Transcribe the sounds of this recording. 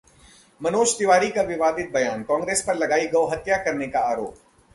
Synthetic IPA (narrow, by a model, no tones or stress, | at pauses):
mɐnoːʃd̪ɪʋaːɾikaʋɪʋaːd̪ɪt̪̚bɐjaːnkɔ̃ːŋɡɾeːspɐɾlɐɡaːiɡɐoɦɐt̪jakɐɾnekaaːɾoːp